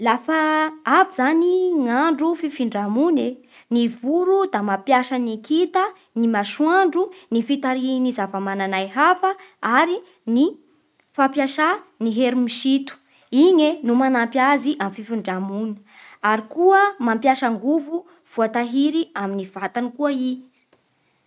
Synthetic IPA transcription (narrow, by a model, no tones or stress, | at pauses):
lafaavizaniŋaɳɖ͡ʐufifiɳɖ͡ʐamune | nivuɾud̪amapjaʃanikit̪ə | nimaʃwaɳɖ͡ʐunifit̪aɾinizavamananajɦafəaɾi | ni | fampjaʃaniɦeɾimiʃit̪u̥ | iɲenumanampjaziʔamififiɳɖ͡ʐamunə̥ | aɾikuəmampjaʃaŋɡuvu | v̥uat̪aɦiɾiaminiv̥at̪anikuəi